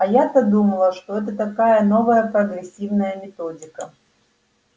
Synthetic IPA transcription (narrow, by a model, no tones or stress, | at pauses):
ɐjat̪ɐd̪umɐlˠɐʂt̪ɔɛt̪̬ɐt̪akajɐnɔvɐjɐpɾɐɣɾɛsʲiwnɐjɐmʲɛt̪ɔd͡zʲikɐ